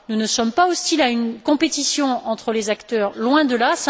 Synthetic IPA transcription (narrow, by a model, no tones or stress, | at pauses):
nunəsɔmpaɔst̪ilaynkɔ̃pet̪isjɔ̃ɑ̃t̪χəlezakt̪œʁlwɛ̃d̪əlas